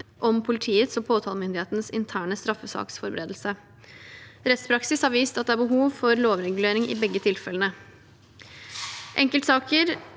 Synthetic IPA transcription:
ʔɔmpʰʊlɪt̪ʰiːət̪sɔpʰoːt̪ʰɑːlmʏnd̪ɪheːt̪ənəsɪnt̪ʰæːɳəst̪ɾɑfːəsɑ̰ːksfɔɾbəɾeːd̪l̩sə | ɾɛt̪spʰɾɑksɪshɑɾʋiːst̪ɑt̪̚d̪ɛæɾbəɦuːʋfɔɾloːʋɾɛɡʉleːɾɪŋɪ̰bɛɡːət̪ʰɪlfɛlənə | ʔɛŋkəlt̪sɑːkəɾ

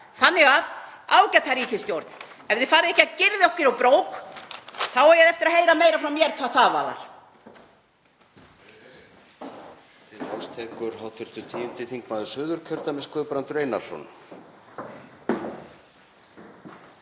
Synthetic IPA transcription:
θanːɪɣaðaːwcat̪ʰaɾiːcɪst̪jowɾt̪n̥ | ɛvðɪfaːɾɪɛhcacɪɾðɪɔhcɪɾawpɾoːwk | θawɛɾjɛðɛft̪ɪɾaɦejɾamejɾafɾawmjɛɾkʰvaːθaːva̰ːða̰ɾ̥ | t̪ʰɪast̪ʰɛːkʏɾɦawt̪ʰʏɾ̥t̪ʏt̪ʰiːʏmt̪ʰɪθiŋkmaːðʏsʏːðʏɾ̥cʰœɾt̪amɪskʏpɾant̪ʏɾejnḁsɔ̰n

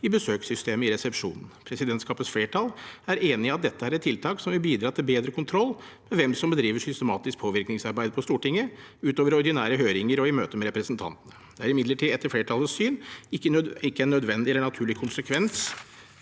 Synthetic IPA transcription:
ɪbəsøːksʏst̪eːməɪɾɛsɛpʂṵːnən̩pʰɾɛsɪd̪ɛnt̪skɑːpət̪sfleːʈʰɑlæɾeːnɪɑt̪̚d̪ɛt̪ːəhæːɾɛt̪ʰːɪlt̪ʰɑːksɔmʋɪlbiːd̪ɾɑːt̪ʰɪlbeːd̪ɾəkʰʊnt̪ʰɾɔlː | mɛʋɛmsɔmbəd̪ɾiːʋəʂʏst̪əmɑːt̪ɪsk̚pʰoːʋɪɾknɪŋsɑɾbæɪd̪̚pʰɔst̪uːʈɪŋːə | ʉːt̪oːʋəɾɔɾd̪ɪnæːɾəɦøːɾɪŋəɾɔɪmøːt̪əmɛɾɛpɾɛsn̩t̪ʰɑ̰nt̪ənəd̪̥ɛæɾɪmɪd̪ləʈʰiːɛt̪ːəɾfleːʈʰɑləssyːnɪkːəɪkːəænːœd̪ʋɛnd̪ɪɛlːəɳɑt̪ʰʉːɭɪkʰʊnsəkʰʋɛns

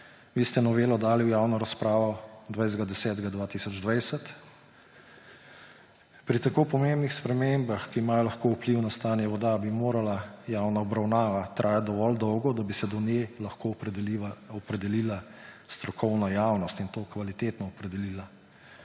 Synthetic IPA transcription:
ʋiːst̪ɛnɔʋeːlɔd̪aːliwjaːwnɔɾaspɾaːʋɔd̪ʋajzɡad̪ɛsɛːt̪ɡad̪ʋaːt̪isɔd͡ʒd̪ʋajsɛt̪ | pɾit̪akoːpɔmembnixspɾɛmembaxkiːmaːjɔlaxkoupliwnast̪aːnjɛʋɔd̪abimoːɾalajawnaɔbɾawnaːʋat̪ɾʔaːjat̪̚d̪ɔʋɔld̪ɔwɡɔd̪abisɛd̪ɔnjelaxko | ɔpɾɛd̪ɛlila | st̪ɾɔkʰɔwnɔjawnɔst̪int̪oːkʋalit̪eːt̪nɔːpɾɛd̪ɛliːla

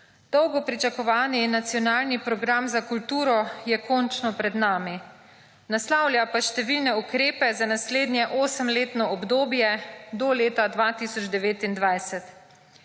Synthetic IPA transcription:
d̪̥ɔwɡɔpɾit͡ʃakɔʋaːninat̪sijɔnaːlnipɾɔɡɾamzakult̪uːɾɔjɛkɔnt͡ʃnɔpɾɛd̪naːmi | naslawlʲjapaʃt̪ɛʋilnɛukɾeːpɛzanasleːd̪njɛʔoːsəmleːt̪nɔɔbd̪oːbjɛd̪ɔleːt̪ad̪ʋaːt̪isɔd͡ʒd̪ɛʋeːt̪ind̪ʋajsɛt̪

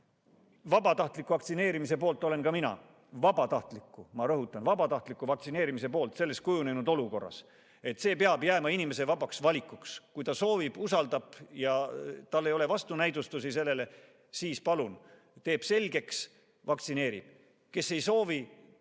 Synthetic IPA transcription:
vɑbɑt̪ɑht̪likːˑuvɑkt̪sine̞ːɾimise̞po̞ːlt̪ːˑo̞le̞nkɑminɑ̰ | vɑb̥ɑt̪ɑht̪likːˑumɑɾɤɦut̪ːˑɑnvɑbɑt̪ɑht̪likːˑuvɑk̚t̪sine̞ːɾimis̬e̞po̞ːlt̪se̞lːes̚kujune̞nud̪̥o̞luko̞rːɑ̰s | e̞t̪ːse̞ːpeɑbjæːmɑinime̞se̞vɑbɑksvɑlʲikːˑukskujt̪ɑso̞ːvib̥usɑld̪ɑb̥jɑt̪ɑlːe̞jo̞le̞vɑst̪unæjd̪ust̪usise̞lːe̞le̞ | siːspɑlun | t̪e̞ːb̥se̞lʲɡ̥e̞ks | vɑkt̪sine̞ːɾḭb̥ | ke̞sːe̞jso̞ːvi

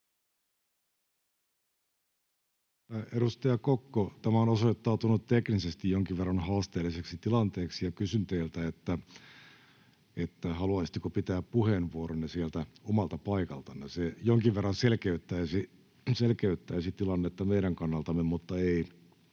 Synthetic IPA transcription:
tæːʔeɾust̪ɑjɑkokːot̪æmæonosoit̪ːɑːt̪unut̪t̪eknisest̪ijjoŋk̟iʋʋerːɑnhɑːst̪eːlːiseksit̪ilɑnt̪eːksijɑkysynt̪eːlt̪æet̪ːæ | et̪ːæhɑluɑisit̪ːekopit̪æːppuhenʋuoɾonːesielt̪æomɑlt̪ɑpɑikɑlt̪ɑnːesejoŋkiʋʋerːɑnselkeyt̪ːæːsi | selkeyt̪ːæːsit̪ilɑnːet̪ːɑmeiɾæŋkɑnːɑlt̪ɑmːemut̪ːɑei

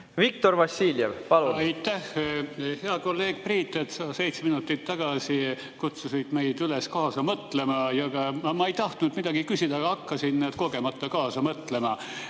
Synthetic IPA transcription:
vik̚t̪orvɑsiːljevpɑluɑjt̪ːæhhe̞ɑko̞lːe̞ːɡ̥̚priːt̪ːˑet̪sɑːse̞jt̪seminut̪ːˑit̪ːɑɡ̥ɑsi | kut̪susit̪mejd̪yleskɑːsɑmɤt̪le̞mɑjɑɡɑɑmɑe̞jt̪ɑht̪nud̪̥mid̪̥ɑɡ̥ikysid̪̥ɑɡ̥ɑɑkːɑsinned̪̥̚ko̞ɡ̥e̞mɑt̪ːˑɑkɑːsɑmɤt̪le̞mɑ

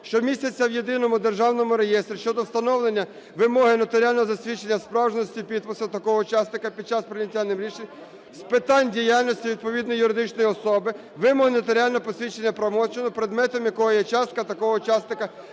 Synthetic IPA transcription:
ʃt͡ʃɔmʲisʲtʲɐt͡sʲːɐwje̞d̪ɪnɔmʊd̪erʒɑwnɔmʊɾejɛst̪ɾʲiʃt͡ʃɔd̪ɔwst̪ɐnɔwlˠenʲːɐ | ʋɪmɔɦɪnɐt̪eɾʲialʲnɔɦɔzɐsʲʋʲit͡ʃenʲːɐspɾɑwʒenɔsʲtʲipʲid̪̚pʊslˠt̪ɐkɔɦɔut͡ʃɑsnɪkɐpʲid̪̥̚t͡ʃɑspɾɪnʲɪtʲːanɪmɾʲiʃenʲ | spɪt̪ɑnʲdʲijalʲnʲɔsʲtʲiʋʲid̪̚pɔʋʲid̪nɔjjʊɾɪd̪ɪt͡ʃnɔjɔsɔbɪ | ʋɪmɔɦɪnɐt̪eɾʲialʲnɔɔpɔsʲʋʲit͡ʃenʲːɐpɾɐmɔt͡ʃenɔpɾed̪mɛt̪ɔmjɐkɔɦɔjɛt͡ʃɑst̪̚kɐt̪ɐkɔɦɔʊt͡ʃɑsnɪkɐ

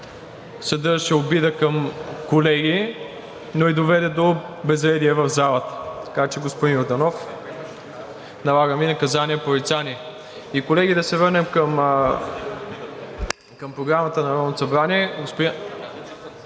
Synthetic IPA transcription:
sɐd̪ɤɾʃɛobid̪əkɐmkolɛɡi | noid̪ovɛd̪ɛd̪obɛzɾɛd̪iɛvɐvzalˠət̪t̪ɐkat͡ʃɛɡospʊd̪injoɾd̪ɐnɔf | nɐlˠaɡəminɐkɐzaniɛpoɾit̪saniɛ | ikolɛɡid̪ɐsɛvəɾnɛmkəm | kɐmpɾoɡɾamət̪ənɐɾɔnsɐbɾaniɛɡospʊi

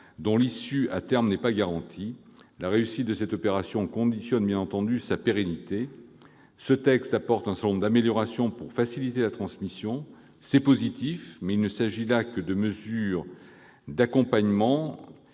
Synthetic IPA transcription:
d̪ɔ̃lisya̰t̪ɛʁmnɛpaɡaʁɑ̃t̪ʰi | laʁeysit̪̚d̪əsɛt̪ɔpeʁasjɔ̃kɔ̃d̪isjɔnbjɛ̃nɑ̃t̪ɑ̃d̪ysapeʁenit̪e | sət̪ɛkst̪apɔʁt̪ɛ̃sɛ̃lɔ̃mʁd̪ameljɔʁasjɔ̃puʁfasilit̪elat̪χɑ̃smisjɔ̃ | sɛpozit̪ifmɛilnəsaʒilakəd̪əməzyʁ | d̪akɔ̃paɲmɑ̃

